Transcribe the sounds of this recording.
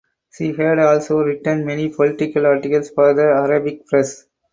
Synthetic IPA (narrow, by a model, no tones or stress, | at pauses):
ʃiːɦæɖɔːlsoːɾɪʈə̃ɳɖmɛnipʰɔlɪʈɪkəlaːɾʈɪkəlsfɔːɾd̪əɐɾabɪk̚pɾɛs